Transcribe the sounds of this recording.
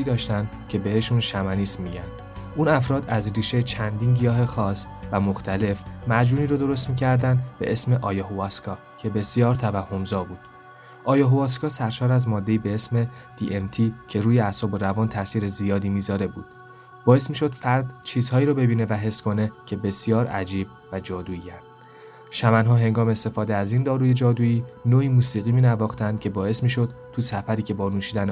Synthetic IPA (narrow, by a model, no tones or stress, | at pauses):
iːd̪ɒːʃt̪ænd̪cʰe̞be̞he̞ʃunʃæmæniːsmiɟænd̪̥ | ʔunæfɾɒːd̪æzriːʃe̞jet͡ʃʰænd̪iːnɟijɒːɦe̞xɒːs | væmo̞xt̪ʰæle̞fmæd͡ʒuːniːɾod̪o̞ɾo̞s̬t̪miːcʰæɾd̪ænd̪be̞̰ʔe̞sme̞ʔɒːjɒɦoɒskʰɒː | cʰe̞be̞sijɒːɾt̪ʰævæhːo̞mzɒːbuːd̪̥ | ʔɒːjɒɦoɒːs̬kɒːsæɾʃɒːɾæzmɒːd̪ːe̞iːbe̞esme̞ | d̪̥iʔemt̪ʰicʰe̞ɾuːjeæsɒːboɾævɒːnt̪ʰæsiːɾe̞zijɒːd̪iːmiːzɒːɾe̞bṵːd̪̥ | bɒːe̞smiːʃo̞d̪fæɾd̪t͡ʃʰiːz̥hɒːiːɾɒbe̞biːne̞væɦe̞skʰo̞ne̞cʰe̞be̞sjɒːɾæd͡ʒiːb̚ | væd͡ʒɒːd̪uːiænd̪̥ | ʃæmænɦɒːɦe̞ŋɡɒːmeːst̪e̞fɒːd̪eæzind̪ɒːɾuːje̞d͡ʒɒːd̪uːiːnoːiːmuːsiːɣiːmiːnævɒːxt̪ʰænd̪̥kcʰe̞bɒːe̞smiːʃo̞d̪̥t̪ʰːusæfæɾiːcʰe̞bɒːnuːʃiːd̪æn